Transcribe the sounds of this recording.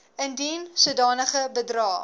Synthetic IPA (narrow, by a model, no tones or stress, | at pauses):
əndinsuədɑːnəχəbədrɑː